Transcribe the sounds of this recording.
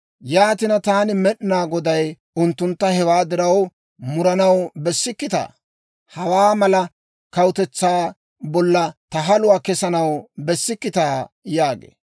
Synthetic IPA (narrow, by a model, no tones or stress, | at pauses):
jaːt̪ɪnɐt̪aːnɪmɛɗɪnaːɡɔd̪ɐj | ʊnt̪ːʊnt̪ːɐhɛwaːd̪ɪɾɐw | mʊɾɐnɐwbɛsːɪkːɪt̪a̰ː | hɐwaːmɐlɐ | kɐwʊt̪ɛt͡sːaː | bɔlːɐt̪ɐɦɐlʊwaːkɛsɐnɐwbɛsːɪkːɪt̪aːjaːɡḛː